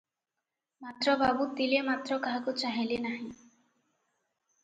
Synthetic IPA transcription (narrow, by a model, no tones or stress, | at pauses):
mat̪ɾɔbabut̪ilemat̪ɾɔkaɦakut͡ʃaɦilenaɦĩ